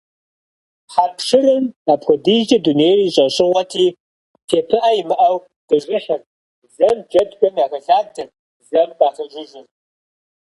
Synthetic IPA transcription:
ħapʰʂɨrɨnaːpxʷɔdid͡ʒɐdunejriːɕʼɐɕʼɪʁʷɐtʰiː | tʰeːpʰɨʔɐjimɨʔɐw | d̥ɨʒɪħɪr | zɐmd͡ʒɐdɡʷʼɐmjaːɣɐɬaːrtʰɨr | zɐmdaːχɐʒʷɪʒɨr

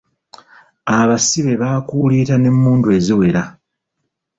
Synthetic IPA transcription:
aβasiβe̞βaːkulitane̞mːuːndue̞ziwe̞ɾa

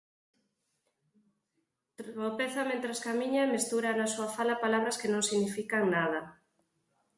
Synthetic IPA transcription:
t̪ɾopeθamẽnt̪ɾaskamiɲamest̪uɾanasuafalapalaβ̞ɾaskenõŋsiɣnifikaŋnað̞a

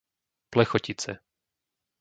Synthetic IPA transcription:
plɛxɔcit͡sɛ̰

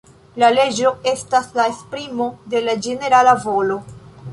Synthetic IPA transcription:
lale̞d͡ʒo̞e̞staslaespɾimo̞de̞lad͡ʒene̞ɾalavo̞lo̞

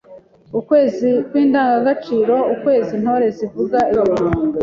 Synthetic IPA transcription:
ukwe̞ːzikwiːndaːŋɡaɡat͡ʃiːɾo̞ukwe̞ːzin̥ho̞ɾe̞zivuɡaiβaβaɾuːŋɡe

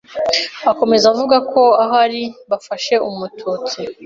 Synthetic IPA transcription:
ako̞me̞zavuɡakʰo̞aɦaɾiβafaʃe̞umutʰut͡si

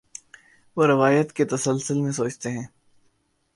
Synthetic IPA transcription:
ʋoɾɪʋaːjət̪ket̪ɐsəlsəlmẽsoːt͡ʃt̪eɦɛ̃ː

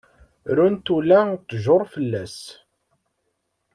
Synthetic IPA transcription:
ɾunt̪ulæt̪ːʒʊɾˤfəlːæs

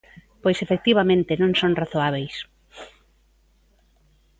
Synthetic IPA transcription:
pojsefek̚t̪iβamẽnt̪ɪnõŋsõŋraθoaβ̞ejs

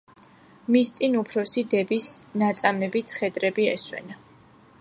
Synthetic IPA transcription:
mist̪sʼinupʰɾɔsid̪ɛbisnat̪sʼamɛbit̪sʰχɛd̪ɾɛbiɛswɛ̰na

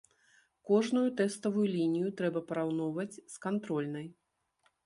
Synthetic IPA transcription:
kɔʐnujut̪ɛst̪ɐvujulʲinʲijut̪ɾɛbɐpɐɾawnɔwvɐt͡sʲskant̪ɾɔlʲnɐj

